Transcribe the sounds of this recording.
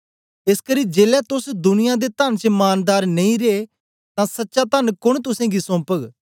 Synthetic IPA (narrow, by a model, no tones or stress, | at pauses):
ɪskəɾiːd͡ʒeːlɛt̪ʊsd̪ʊnɪjãd̪et̪ənt͡ʃəmaːnd̪aːɾnɐĩɾee | t̪ãsɐtːʃat̪ənkʊɽ̃t̪ʊsẽːɡisɔ̃ːpəɡ